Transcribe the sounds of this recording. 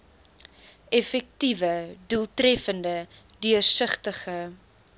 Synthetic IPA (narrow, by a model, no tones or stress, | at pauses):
ɛfɛk̚tivədulˠtɾɛfəndə | dyərsəχtəχə